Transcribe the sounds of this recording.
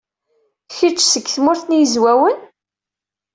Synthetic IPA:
çit͡ʃːsəkːθmʊɾθnjəzwæwən

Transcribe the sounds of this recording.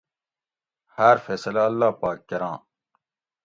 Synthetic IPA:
hɐɾfeːsɐlɐɐlːaːpaːkːɐɾãː

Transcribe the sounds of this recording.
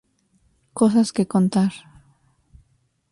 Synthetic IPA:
kosaskekõnt̪aɾ

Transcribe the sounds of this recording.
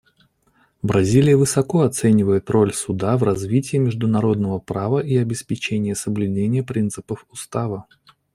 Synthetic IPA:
bɾɐzʲilʲɪjəvɨsɐko̞ɐt̪sɛnʲɪvəjɪt̪ɾo̞lʲsʊd̪avrɐzvʲitʲɪjːmʲɪʐd̪ʊnɐɾo̞d̪nəvəpɾavəʔiɐbʲɪspʲɪt͡ɕenʲɪjəsəblʲʉdʲenʲɪjəpɾʲint̪sɨpəfʊst̪avə

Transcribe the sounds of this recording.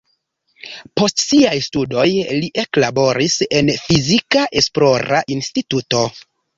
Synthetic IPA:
po̞stsiajstudo̞jliʔe̞klabo̞ɾise̞nfizikaʔe̞splo̞ɾaʔinstituto̞

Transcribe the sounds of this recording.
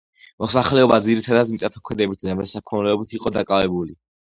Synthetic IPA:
mɔsaχlɛɔbad̪ziɾit̪ʰad̪ad̪misʼat̪ʰakʰwɛd̪ɛbit̪ʰd̪amɛsakʰɔnlɛɔbit̪ʰiqʼɔd̪akʼavɛbuli

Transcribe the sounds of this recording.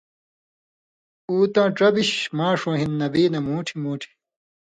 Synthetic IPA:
uːt̪ãːʈ͡ʂɐbiɕmãːʂõːɦinːɐbiːnɐmuːʈʰimuːʈʰi̥

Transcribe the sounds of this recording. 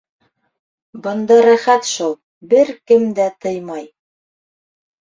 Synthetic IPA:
bɤ̆nd̪ɑɾæχæt̪ʃulˠ | bɘɾkɘmd̪æt̪ɤjmɑj

